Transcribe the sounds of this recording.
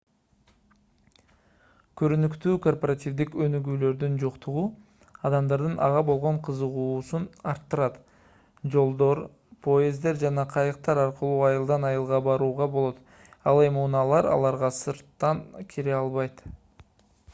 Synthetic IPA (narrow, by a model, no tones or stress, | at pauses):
kʰøɾynykt̪yːko̞rporat̪ʲivd̪ikønyɡyːlø̞ɾd̪ynd͡ʒoqt̪ʰuʁu | ɑd̪ɑmd̪ɑɾd̪ɯnʔɑ̰ʁɑbo̞lˠʁo̞ɴqʰɯzɯʁuːsunɑɾt̪ːɯɾɑt̪ | d͡ʒo̞lˠd̪o̞ɾ | pʰo̞ezd̪e̞ɾd͡ʒɑnɑqʰɑjɯqt̪ɑɾɑɾqəlˠuːɑjɯlˠd̪ɑnɑjɯlˠʁɑbɑɾuːʁɑbo̞lˠo̞t̪ | ɑlˠe̞mɪunɑlˠɑɾɑ̰lˠɑɾʁɑsɯɾt̪ːɑnkʲʰiɾeɑlˠβɑjt̪